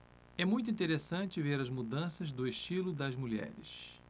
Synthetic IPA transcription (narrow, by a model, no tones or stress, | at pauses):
ɛmũj̃t̪ʊĩt̪eɾesɐ̃t͡ʃɪveɾɐzmud̪ɐ̃sɐzd̪ʊeʃt͡ʃilʊd̪ɐzmuʎɛ̰ɾɪ̰s